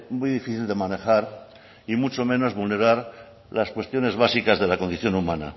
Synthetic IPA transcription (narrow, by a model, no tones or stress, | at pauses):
mujðifiθild̪e̞mane̞xaɾ | imut͡ʃo̞mẽ̞no̞zβulne̞ɾaɾ | laskwest̪jo̞ne̞zβasikazðe̞lako̞nd̪iθjo̞numãna̰